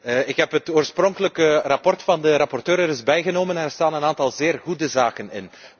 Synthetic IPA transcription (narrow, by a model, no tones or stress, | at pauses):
ɪkɦɛpɦətoːrsprɔŋkələkərɑpɔrtfɑndəɾɑpɔrtøːɾɛɾɪzbɛjɣənoːmənɛnɛɹstaːnənaːntɑlˠzeːrɣudəzaːkənɪ̰n